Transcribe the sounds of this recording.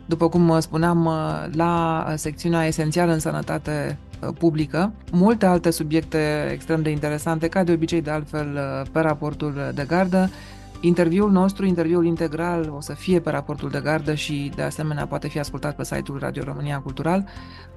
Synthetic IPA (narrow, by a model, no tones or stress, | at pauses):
d̪upəkumspuneamlase̞k̚t̪siuneae̞se̞nt̪sialəɨnsənə̰t̪at̪e̞publikəmult̪e̞alt̪e̞subjek̚t̪e̞ḛkst̪ɾe̞md̪e̞int̪e̞ɾe̞sant̪e̞kad̪e̞o̞bit͡ʃe̞jd̪e̞alt̪fe̞lpe̞ɾapo̞rt̪uld̪e̞ɡard̪ə | int̪e̞rvjiulno̞st̪ɾuint̪e̞rviulint̪e̞ɡɾalo̞səfie̞pe̞ɾapo̞rt̪uld̪e̞ɡard̪əʃid̪e̞ase̞me̞nea̰poat̪e̞fiaskult̪at̪̚pe̞sa̰jt̪ulra̰d̪io̞̰ɾo̞mɨniakult̪uɾal